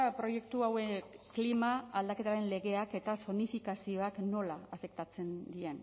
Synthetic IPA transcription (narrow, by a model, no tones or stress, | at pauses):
pɾo̞je̞kt̪uaweklimaːld̪ake̞t̪aɾe̞nle̞ɣe̞ake̞t̪aso̞nifikasio̞akno̞laːfe̞kt̪at͡se̞nd̪ie̞n